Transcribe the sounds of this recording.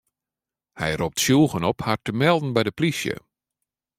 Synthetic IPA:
hɛ̰jrop̚tsjuːɣənɔphartəmɛlˠdn̩bɛjdəplisjə̰

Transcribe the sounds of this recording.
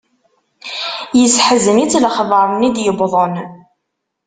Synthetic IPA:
jəsħəzənit͡sːləχðˤɑɾˤnid̪jəbðˤən

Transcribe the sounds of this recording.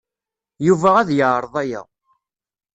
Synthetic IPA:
juvææðjəʕɾˤðˤæjæ̰

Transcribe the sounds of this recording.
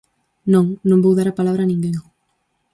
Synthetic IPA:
nõŋnõmbowðaɾapalaβ̞ɾanĩŋɡeŋ

